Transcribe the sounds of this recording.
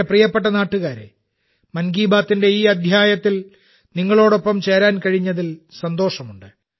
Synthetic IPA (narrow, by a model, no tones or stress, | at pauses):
prijɐpːe̞ʈːɐnaːʈːuɣaːɾɨ̰ | mɐnɡiːbaːt̪ːinde̞iːɐd̪ʱjaːjɐt̪ːil | niŋːɐɭo̞ːɽo̞pːɐmt͡ɕe̞ːɾaːnkɐɻiɲːɐðilsɐnd̪oːʂɐmuɳɖɨ